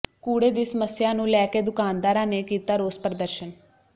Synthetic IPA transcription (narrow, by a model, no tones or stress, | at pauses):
kuːɽeːd̪iːsəməsjãːnũːlɛːkeːd̪ʊkaːnd̪aːɾãːneːkiːt̪aːɾoːspɾəd̪əɾʃən